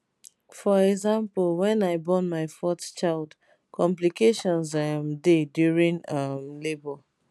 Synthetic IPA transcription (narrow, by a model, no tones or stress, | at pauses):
fɔɹɛɡzãmplˠwɛ̃naɪbɔnmaɪfɔtt͡ʃaɪld | kɔ̃mplikeʃɔ̃nzamdedjuɹĩŋʌmlebɔ